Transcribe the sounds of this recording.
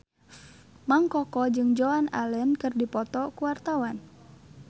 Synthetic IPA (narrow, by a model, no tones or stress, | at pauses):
maŋkɔkɔd͡ʒɨŋd͡ʒɔana̰lɛnkɨrdipɔt̪ɔkuwart̪awan